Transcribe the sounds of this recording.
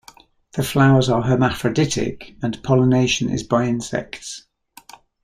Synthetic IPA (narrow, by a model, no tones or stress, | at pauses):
ðəflaʊəzəɦəmafɹədɪtʰɪ̰kə̃npʰɒləneɪʃə̃nɪ̰zbaɪɪ̃nsɛ̰kts